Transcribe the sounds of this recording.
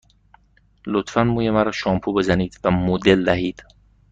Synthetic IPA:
lot̪fænmuːjemæɾɒʃɒːmpʰube̞zæniːd̪̥væmod̪e̞ld̪æɦiːd̪̥

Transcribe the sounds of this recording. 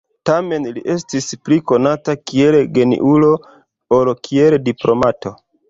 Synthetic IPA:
tame̞nliʔe̞stispliko̞natakielɡe̞nḭʔulo̞ | oɾkʰieldiplo̞mato̞

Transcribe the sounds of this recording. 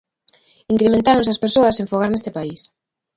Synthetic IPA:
iŋkɾemẽnt̪aɾʊns̬ɐspeɾsoɐsẽɱfoɣ̞aɾnest̪epais

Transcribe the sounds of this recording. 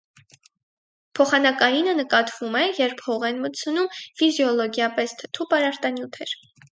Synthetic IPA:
pʰɔχɑnɑkɑjinənəkɑt̪v̥umɛjɛɾpʰhɔʁɛnmət͡sʰənumfizjɔlɔɡjɑpɛst̪ʰə̥t̪ʰupɑɾɑɾt̪ɑnjut̪ʰɛɾ

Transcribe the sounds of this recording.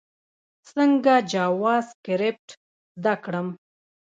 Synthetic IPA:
səŋɡad͡ʒawɑzkɪɾep̚ʈ | zd̪akɽəm

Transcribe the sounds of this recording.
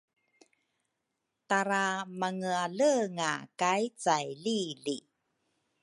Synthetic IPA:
taɾamaŋɯaləŋa̰kajt͡sajlili

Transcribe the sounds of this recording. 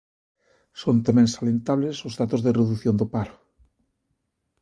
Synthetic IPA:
sont̪amẽnsalent̪aβlesozðat̪ozðereðuθjond̪opaɾo

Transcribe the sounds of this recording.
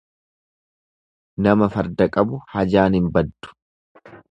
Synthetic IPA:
nɐmɐfɐɾd̪ɐkʼɐbʊhɐd͡ʒaːnhɪmbɐd̪ːʊ̥

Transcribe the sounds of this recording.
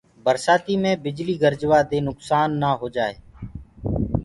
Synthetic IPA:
bəɾsaːt̪iːmẽːbɪd͡ʒliːɡəɾd͡ʒʋaːd̪eːnʊksaːnːaːɦoːd͡ʒaːḛː

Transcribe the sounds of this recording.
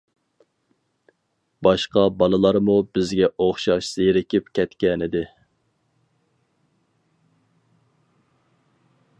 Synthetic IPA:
bɑʃqɑbɑlˠɨlˠɑɾmubɪzɡʲɛʔoχʃɑʃz̥eɾɪkʲɪpkʲʰɛt̪kʲɛnɪd̪ɪ

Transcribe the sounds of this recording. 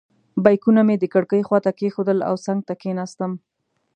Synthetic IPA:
bajkunamed̪əkəɽkəjxwɑt̪akexod̪əla̰wsaŋɡ̚t̪akenast̪əm

